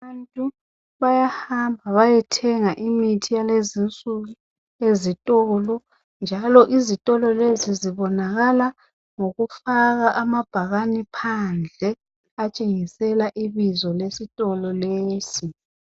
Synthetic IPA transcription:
antʼu | βajahambʱaβajɛtʰɛŋaʔimitʰijalezint͡sʼuɣu | ezitʼɔlɔ | nd͡ʒʱalɔʔizitʼɔlɔleziziβɔnaɣala | ŋoɣufaɣaʔamab̥ʱaɣanipʰand͡ɮʱɛ | at͡ʃʼeŋisɛlaʔiβizɔlesitʼɔlɔleːsi

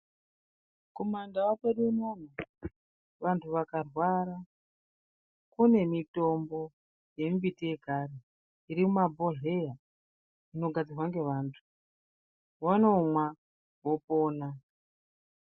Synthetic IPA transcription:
komandawapeɗunana | ʋantʰuʋakarwaːɾa | kune̞mito̞mbo̞ | je̞mbitije̞ɡʱaɾe | iɾimumabʱo̞ɦe̞ja | ino̞ɡʱad͡zirwaŋɡe̞ʋaːntʰu̥ | wano̞mwa | wo̞po̞ːna

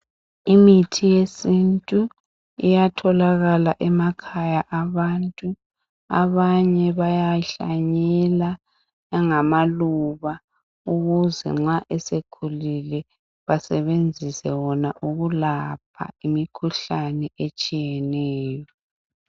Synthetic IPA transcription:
imitʰijesintʼu | ijatʰɔlaɣalaʔɛmakʰajaʔaβantʼu | a̰βaɲɛβajaɬa̰ɲɛla | ŋamaluβa | uɣuzɛ̰ŋ͡ǁaʔɛsekʰulilɛ | βasɛβend͡zʱisɛwɔnaʔuɣulap̚ʰa̰imikʰuɬanɛʔet͡ʃʼijɛnɛːjɔ

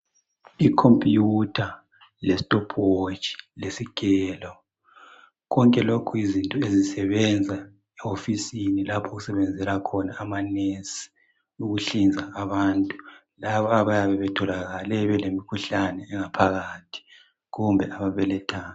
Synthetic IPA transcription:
ikʰompʼjutʰa | lɛstʼɔpʰwot͡ʃʼi̥lesikʰʼɛːlɔ | ɣɔŋkʼɛlokʰuizintʼɔezisɛβɛnd͡zʱa | ɛofisinilapʰuɣusɛβɛnd͡zʱɛlakʰɔnaːmanɛs | uɣuɬind͡zʱaːβantʼu | laβɔaβajaβɛβɛtʰɔlaɣalɛβɛlemikʰuɬanɛːŋapʰaɣatʰi̥ | ɣumbʱɛaβaβɛlɛtʰaː

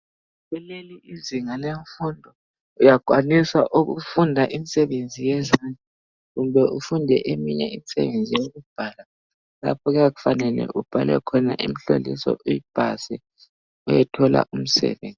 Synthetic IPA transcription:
ɣɛleliiziŋaleɱfundʱɔ | ujaɡ̥ʱwanisaʔuɣṵfundʱaʔimisɛβend͡zʱijɛzanʱɛ | ɣumbɛufundʱɛʔemiɲɛimisɛ̰βend͡zʱijoɣub̥ʱaːla | la̰pʰɔɣujaɣufanɛlɛ̰ʔub̥ʱalɛ̰kʰɔna̰ʔimiɬolḭsɔ̰ʔujib̥ʱasɛ | ujɛtʰɔla̰ʔum̩sɛ̰βḛːnd͡zʱi

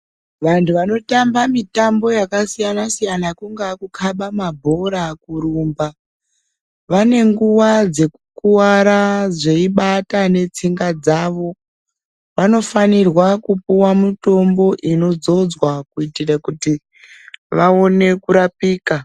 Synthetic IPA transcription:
ʋantʰuʋano̞tambamitambo̞jakasijanasijanakuŋɡakukʰaɓamabʱo̞ɾakuɾuːmba | ʋane̞ŋɡuwad͡ze̞kukuwaɾaʐe̞iɓatane̞t͡siŋɡad͡zaːʋo̞ | ʋano̞fanirwakupuwamito̞mbo̞ʔino̞d͡zo̞d͡zwakuitirakuti | ʋaone̞kuɾapiːka

